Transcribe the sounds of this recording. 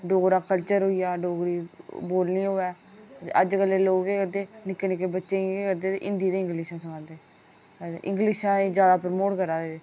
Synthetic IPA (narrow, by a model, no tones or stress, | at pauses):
ɖoːɡɾaːkəlt͡ʃəɾɦoːiːaːɖoːɡɾiːboːlniːɦoːɛːə̰d͡ʒkəlːeːloːɡeːkəd̪eːnɪkːeːnɪkeːbətːʃeːeːkəɾd̪eːt̪ḛːʔɪnd̪iːd̪eːɪ̃ŋɡliʃãːsəkãːnd̪eː | ʔɪ̰̃ŋɡlɪʃãːeːd͡ʒjaːd̪aːpəɾəmoːʈkəɾaːd̪eːeː